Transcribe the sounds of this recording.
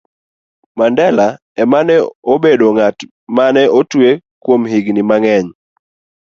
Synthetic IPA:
mandɛla | ɛmanɛobedoŋat | manɛʔotwekwomɦiɡnɪmaŋɛɲ

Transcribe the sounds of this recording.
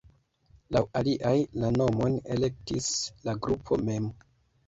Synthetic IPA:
lawaliʔajlano̞mo̞ne̞le̞k̚tislaɡɾupʰo̞̰me̞m

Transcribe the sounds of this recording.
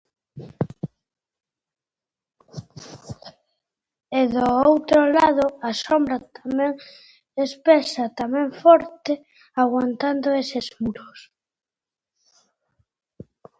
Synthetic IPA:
eðoowt̪ɾolaðoasombɾat̪amɛ̃ŋ | espesat̪amɛ̃ŋfɔɾt̪e | aɣwant̪and̪oesezmuɾos

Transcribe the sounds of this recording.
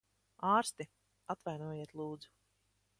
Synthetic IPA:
aːɾst̪i | at̪vajnuɔjeɛt̪lˠuːd̪zu̥

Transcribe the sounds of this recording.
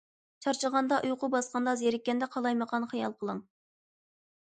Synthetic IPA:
t͡ʃʰɑɾt͡ʃʰəʁɑnd̪ɑʔujqʊbɑsqɑnd̪ɑzjeɾɪkʲːɛnd̪ɛqʰɑlˠɑjməqʰɑnχijɑlˠqʰəlˠəŋ

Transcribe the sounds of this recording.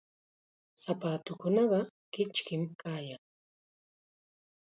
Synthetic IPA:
sapaːt̪ʊkʊnɑɢɑkɪt͡ʃkɪmkaːjaŋ

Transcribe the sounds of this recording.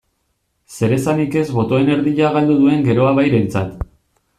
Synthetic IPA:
se̞ɾe̞sanike̞zβo̞t̪o̞ene̞ɾðiʎaɣald̪uðue̞ŋɡe̞ɾo̞aβ̞ajɾe̞nt͡sat̪

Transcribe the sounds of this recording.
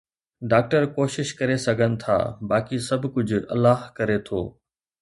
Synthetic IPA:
ɖaːk̚ʈəɾkoːʃɪʃkɐɾesɐɡʱənɪ̆t̪ʰa̰ːbaːkisɐbʱkʊd͡ʑʱʊɐ̰lːaːɦkɐɾet̪ʰo̰ː

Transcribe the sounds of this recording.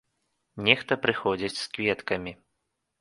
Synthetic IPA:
nʲɛxt̪ɐpɾɨxɔd͡zʲit͡sʲskvʲɛt̪kɐmʲi

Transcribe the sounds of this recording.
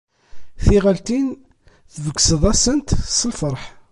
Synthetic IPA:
θiʁəlt̪in | θvəkːsəðˤæsənt̪səlfəɾˤħ

